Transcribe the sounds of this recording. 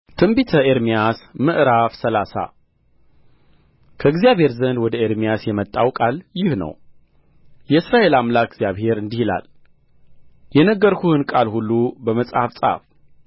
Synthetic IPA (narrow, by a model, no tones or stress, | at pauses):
t̪ʰɨmbit̪ʰəʔeɾmijasmɨʔɾafsəlasa̰ | kʰəɨɡzijaβhe̞ɾzənd̪wɔd̪əeɾmijasjɛmət̪ʼːawkʼaljɪhnə̰w | jɛɨsɾaʔe̞lamlakɨɡzijaβhe̞ɾɨnd̪ihila̰l | jɛnəɡːəɾkʰuhɨnkʼalhulːubəməsʼhafsʼa̰f